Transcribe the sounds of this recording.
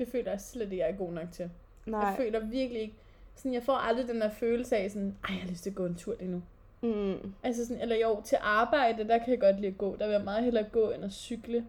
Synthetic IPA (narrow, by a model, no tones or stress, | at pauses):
d̥e̝fø̰ːlɐjɑsled̥e̝ɡ̥jɑ̈ɪɡɡo̝̰ːnɒ̽ɡ̥̚t͡sʰe̝l̥ | efø̰ːlɐʋiɐɡ̥əlie̝ɡ̥ə | sɔnjɑ̈ɪfɒ̰ʔɑ̈ld̥ʁid̥end̥eɐføːl̩səɛsɔ̽nɑ̈ɪ̰jɑhɑløsd̥eɡ̥ɔ̰̽ːent͡sʰuɐ̰d̥enu | ʔæls̬əsɔnelɐjoʊt͡sʰe̝lʔɑ̈ːb̥ɑ̈ɪ̰d̥əd̥ɑkʰæjɑ̈ɡ̥ɒ̽d̥liːɐɡ̥ɔ̰ːd̥ɑʋejamɑ̈ːð̩ˠɦelɐɡ̥ɔ̰̽ːenɐsyɡ̥lə